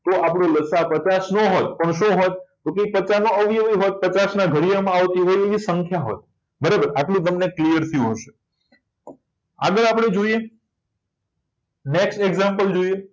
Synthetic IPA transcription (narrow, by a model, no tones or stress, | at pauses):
t̪oapɽ̃õləsapət͡ʃasnoɦot̪̚pəɳʃõɦot̪̚kokepət͡ʃanõəʋiəʋiɦot̪̚pət͡ʃasnaɡʱəɾijamãːʋt̪iɦojeʋisəŋkʰjaɦo̰t̪̚ | bəɾabəɾaʈlũt̪̬əmneklijəɾt̪ʰiɦoʃe̥ | a̰ɡəɾapɽ̃ed͡ʒoije | neksʈeɡzãmpəld͡ʒoije